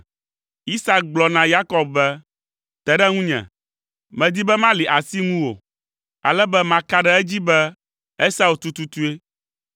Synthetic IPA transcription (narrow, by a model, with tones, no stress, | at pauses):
i˦sa˦k̚ɡ͡blɔ˨nã˨ja˦kɔ˨bbɛ˦ | t̪ɛ˨ɖɛ˦ŋũ˦ɲɛ̰̃˨ | mɛ̃˨d̪i˦bɛ˦mã˦li˨ʔa˨si˦ŋũ˦wo̰˨ | a̰˨lɛ˦bɛ˦mã˨ka˦ɖɛ˦ɛ˦d͡ʑi˦bɛ˦ | ɛ˦sa˦u˨t̪u˦t̪u˦t̪u˦e˦